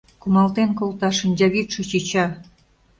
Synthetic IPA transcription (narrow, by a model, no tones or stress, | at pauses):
kumɑlt̪enkolt̪ɑʃə̆nʲdɑβit̪ʃɤ̆t͡ɕit͡ɕɑ